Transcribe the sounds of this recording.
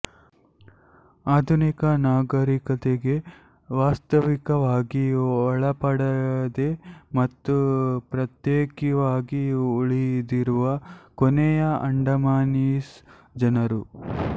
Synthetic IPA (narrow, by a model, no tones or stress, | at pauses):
aːd̪ʱunikɐnaːɡɐɾikɐt̪eɡe̞ | ʋaːst̪ɐʋikɐʋaːɡiɔɭɐpɐɽɐd̪emɐt̪ːupɾɐt̪jeːkiʋaːɡiuɭid̪iɾuʋɐkonɛjɐʔɐɳɖɐmaːniːs | d͡ʒɐnɐɾu